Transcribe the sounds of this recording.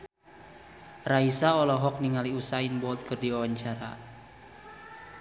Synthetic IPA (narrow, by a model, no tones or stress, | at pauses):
raisaɔlɔɦɔk̚niŋaliusainbɔt̪̚kərdiwawaɲt͡ʃaɾa̰